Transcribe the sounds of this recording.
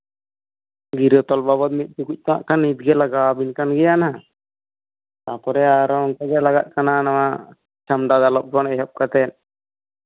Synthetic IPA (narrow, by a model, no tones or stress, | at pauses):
ɡiɾɔt̪ɔlbabɔt̪̚mit̪̚ˀt͡ʃukuc̚ˀt̪ɔna̰ʔkanit̪̚ɡɛlaɡabinkanɡɛjana | t̪apɔɾɛaɾɔɔŋkɔɡɛlaɡat̪̚kananama | t͡ʃamɖad̪alɔp̚ɡɔnɛɦɔp̚kat̪ɛn̚